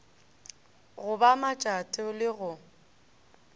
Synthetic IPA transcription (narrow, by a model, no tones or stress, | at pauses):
ɣʊbamat͡ʃʼatʼɔlɪɣʊ